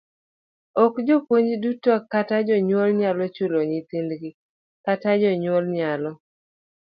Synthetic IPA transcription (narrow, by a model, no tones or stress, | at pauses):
ɔkd͡ʒɔpwoɲd͡ʒdutɔkatad͡ʒɔɲwolɲalɔt͡ʃuloɲɪt̪ɪndɡɪ | katad͡ʒɔɲwɔlɲalɔ